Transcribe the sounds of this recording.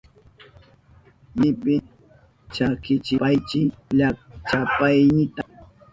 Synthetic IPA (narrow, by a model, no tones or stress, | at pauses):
jɪpɪ | t͡ʃakɪt͡ʃɪpajt͡ʃɪʎat͡ʃapajnɪt̪a